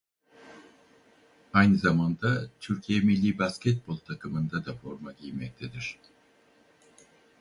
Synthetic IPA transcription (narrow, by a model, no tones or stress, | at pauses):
ajnɯzamand̪at̪ʰyɾcʰijɛmilʲːiːbascʰɛt̪̚bo̞lˠt̪ʰakʰɯmɯnd̪ad̪afo̞ɾmaɟijmɛc̚t̪ʰed̪iɾ̝̥